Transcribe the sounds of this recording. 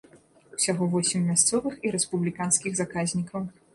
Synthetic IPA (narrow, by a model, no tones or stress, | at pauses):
u̥sʲaɣɔvɔsʲɛmːʲast̪sɔvɨxiɾɛspublʲikanskʲiɣzakazʲnʲikɐw